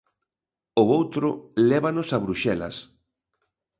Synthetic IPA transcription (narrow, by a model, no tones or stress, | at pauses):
oowt̪ɾʊlɛβanosaβɾuʃɛlɐ̰s